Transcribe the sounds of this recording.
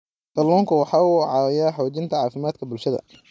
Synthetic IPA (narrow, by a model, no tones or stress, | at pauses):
t̪ɐlɔːŋkʰʊwɑħɑːuʕɑjaːħɔːt͡ʃɪnt̪ʰɐʕɑːfɪmaːd̪kʰɐbʊlʃɐðɐ̰